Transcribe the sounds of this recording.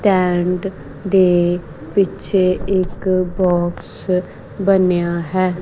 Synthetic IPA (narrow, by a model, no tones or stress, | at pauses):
ʈɛːɳɖ | d̪eː | pɪt͡ʃʰeɪkbɔːks | bənjaːɦɛː